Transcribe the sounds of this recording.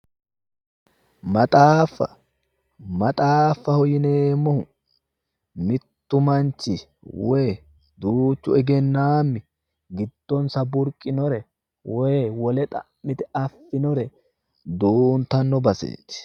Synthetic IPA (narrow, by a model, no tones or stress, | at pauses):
mɐt̪ʼaːfːɐ̰ | mɐt̪ʼaːfːɐhɔjɪneːmːɔhʊ | mɪt̪ːʊmɐnt͡ʃːɪ | wɛ | d̪uːt͡ʃːʊɛɡɛnːaːmːɪ | ɡɪd̪̥ːɔnsɐbʊɾkʼːɪnɔɾɛ | wɛwɔlɛt̪ʼɐ | mːɪt̪ɛɐfːɪnɔɾɛ | d̪uːnt̪ɐnːɔbɐsḛːt̪ːɪ̥